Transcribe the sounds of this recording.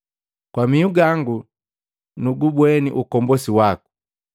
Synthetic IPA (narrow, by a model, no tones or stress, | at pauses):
kwamiuɡaŋɡu | nuɡubwɛnḭʔukɔmbɔsiwaku̥